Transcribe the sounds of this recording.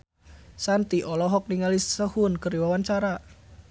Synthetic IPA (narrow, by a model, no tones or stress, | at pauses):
sant̪iʔɔlɔɦɔk̚niŋalisəhʊnkəriwawant͡ʃaɾa